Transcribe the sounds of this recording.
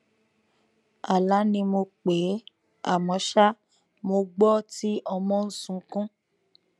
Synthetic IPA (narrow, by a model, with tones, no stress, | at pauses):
a˨la˨˦nĩ˧mo˧k͡pe˨˦ | a̰˦˨mɔ̃˨˦ʃa˦ | mo˧ɡ͡bɔ˦ti˦ʔɔ˧mɔ̃˦n̩˦sũ˧˦kũ˦